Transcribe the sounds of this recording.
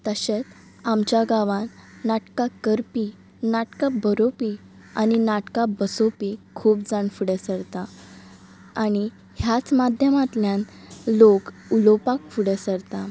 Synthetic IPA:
t̪əɕet͡s | amt͡ɕjaɡaʋãnːaʈkakəɾpi | naʈkabəɾopi | a̰ñinaʈkabəsopikʰuːpd͡zaɳfuɽəsəɾt̪a | aɽ̃i | hjat͡smad̪ʱjəmat̪ljãn | lokulopakfuɽəsəɾt̪a

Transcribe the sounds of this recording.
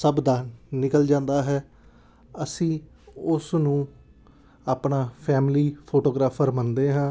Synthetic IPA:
səbd̪aːnɪkəld͡ʒãːnd̪aːɦɛː | əsĩː | ʊsnũː | aːpnaːpʰɛːmɪliːpʰoːʈoːɡɾaːfʰəɾmənd̪eːɦãː

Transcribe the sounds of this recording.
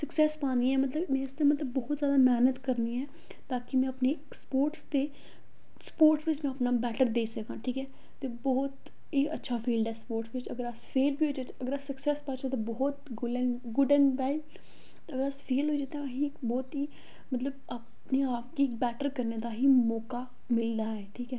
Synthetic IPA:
səksɛːspãːniɛːmət̪ləbmɛ̃ːɪst̪eːmət̪ləbːɔːt̪zjaːd̪aːmɛːnət̪kəɾniːɛː | t̪aːkɪmɛ̃ːəpneːkspoːɾʈst̪eː | spoːɾʈsʋɪt͡ʃmɛ̃ːəpnaːbɛːʈəɾd̪eːsəkãːʈʰiːkɛː | t̪eːbɔːt̪ | ɦiːʔətːʃʰaːfʰiːlɖ̪ɛːspoːɾʈsʋɪt͡ʃə̰ɡəɾaspʰeːlbʱiːɦoːd͡ʒaːt͡ʃəɡəɾasəksɛːspaːt͡ʃaːt̪ebɔːt̪ɡʊlɛːnɡʊɖɛ̃ːnbɛːɪl | əɡəɾaspʰeːlɦoːid͡ʒaːt̪ẽəɦĩkbɔːt̪ɦiː | mət̪ləba | pneːaːp̚kibɛːʈəɾkəɾneːd̪aːɦiːmɔːkaː | mɪld̪aːɦɛːʈʰiːkɛː

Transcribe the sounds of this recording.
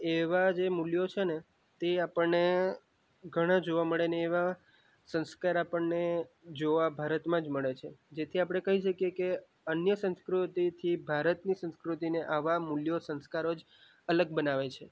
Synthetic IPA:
eʋad͡ʒemuljot͡ʃʰene | t̪eapəɳne | ɡʱəɽ̃ãd͡ʒoʋaməɭeneːʋa | sə̃nskaɾapəɳne | d͡ʒoʋabʱaɾət̪mãd͡ʒməɭet͡ʃʰed͡ʒet̪ʰiapɽ̃ekəɦiʃəkijeke | ənjəsə̃nskɾut̪it̪ʰibʱaɾət̪nisə̃nskɾut̪ineʔaʋamuljosə̃nskaɾod͡ʒ | ələɡ̚bənaʋet͡ʃʰe

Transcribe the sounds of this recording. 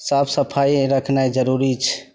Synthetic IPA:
sabsəpʰajɾəkʰnajd͡ʒəɾuɾit͡ʃʰ

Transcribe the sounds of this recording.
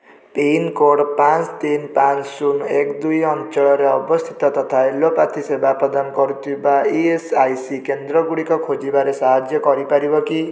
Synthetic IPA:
penkoɽpãt͡st̪inpansunekd̪ujʌnt͡ʃɔɾeʌbʌst̪ʰi̥t̪ɔt̪ʌt̪ʰaelːopat̪ʰisebapɔd̪ankʌɾut̪ibaiesajsikend̪rʌɡuɽikakʰod͡zibaɾesaɦad͡ʒjʌkʌɾipaɾibʌki

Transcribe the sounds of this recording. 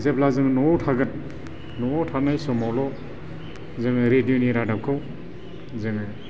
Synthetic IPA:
zeplazɯŋnɔtʰaɡɯn | nɔtʰanajsɔmawlɔ | zɯŋɾedijoniɾadap̚kʰɯw | zɯŋ

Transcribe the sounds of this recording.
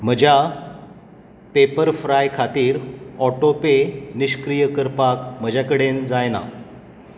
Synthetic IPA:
m̤əd͡ʑʱja | pepəɾfɾajkʰat̪iːɾɔʈopeniɕkɾijəkəɾpakm̤əd͡ʑʱjakəɽend͡zajna̰

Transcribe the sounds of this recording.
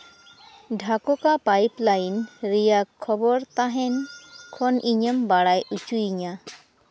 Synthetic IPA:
ɖʱakokapajplajnɾijakʰːɔbɔɾt̪aɦɛnkʰɔnʔiɲəmbaɽajʔut͡ʃuiɲa

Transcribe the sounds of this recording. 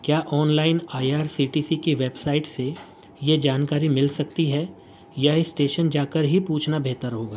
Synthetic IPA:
kjaːʔɔːnlaːɪnaːjaːɾsiːʈiːsikeʋeːbsaːɪʈse | jed͡ʒaːnkaːɾimɪlsɐk̚t̪iɦɛ | jaesʈeːʃənd͡ʒaːkəɾɦipuːt͡ʃʰnabʱeːt̪əɾɦoːɡaː

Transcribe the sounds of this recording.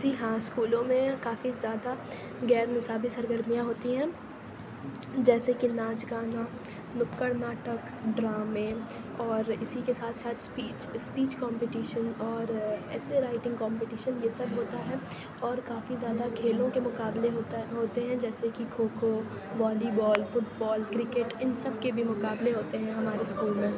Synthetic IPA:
d͡ʒiːɦãːskuːlõmẽkaːfizjaːd̪a | ɡɛːɾnɪsaːbisɐɾɡəɾmijãɦoːt̪iɦɛ̃ː | d͡ʒɛːsekinaːt͡ʃɡaːna | nʊpkəɾnaːʈək | ɖɾaːme | ɔːɾɪsikesaːt̪ʰsaːt̪ʰspiːt͡ʃspiːt͡ʃkɔ̃ːmpɪʈiːʃənɔːɾɛːseɾaːɪʈɪ̃ŋɡkɔ̃ːmpeʈiːʃənjesɐbɦoːt̪aɦɛː | ɔːɾkaːfizjaːd̪akʰeːlõkemʊkaːbleɦoːt̪ɦoːt̪eɦɛ̃d͡ʒɛːsekikʰoːkʰo | bɔːlibɔːlfʊʈbɔːlkɾɪkeːʈɪnsɐbkebʱimʊkaːbleɦoːt̪eɦɛ̃ɦɐmaːɾeskuːlmẽː

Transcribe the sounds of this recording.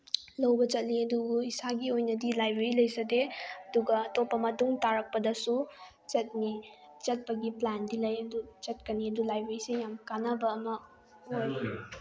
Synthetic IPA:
lɐwbɐt͡ʃɐt̚liɐduɡuisaɡiojnɐdilajbɾeɾilɐjsɐdeɐduɡɐːtopːɐmɐtuŋtaɾɐk̚pɐdɐsu | t͡ʃɐt̚ni | t͡ʃɐt̚pɐɡiplandilɐjɐdut͡ʃɐt̚kɐniɐdulajbeɾisejamkanɐbɐːmɐ | oj

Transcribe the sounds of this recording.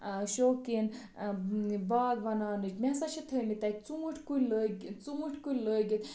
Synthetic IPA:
ʃoːkin | baːɡʋɐnaːnɨt͡ʃmesɐt͡ʃʰit̪ʰəmit̪ɐk̚t͡suːʈʰʲkulʲləɡt͡suːʈʰʲkulʲləːɡit̪

